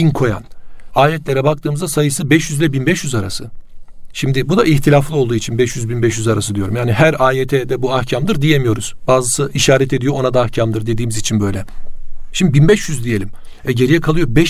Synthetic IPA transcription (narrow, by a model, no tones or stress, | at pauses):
inkʰo̞ja̰naːjɛt̪lʲeɾɛbak̚t̪ʰɯːmɯzd̪asajɯsɯbɛʃjyzlʲɛbinbɛʃjyzaɾa̰sɯʃimd̪ibud̪aʔiçt̪ʰilʲaflˠɯo̞lˠd̪uːit͡ʃʰinbɛʃjyzbinbɛʃjyzaɾas̬ɯd̪ijo̞ɾumjaːniɦæɾaːjet̪ʰɛd̪ɛbuahcʰamd̪ɯɾd̪ijemijo̞ɾuz̥baːzɯsɯʔiʃaːɾɛt̪ʰe̞d̪ijo̞onad̪aːhcʰamd̪ɯɾd̪e̞d̪iːmizit͡ʃʰinbø̞jlʲɛʃimd̪ibinbɛʃjyzd̪ije̞lʲim | ɛɟe̞ɾijɛkʰalˠɯjo̞bɛʃ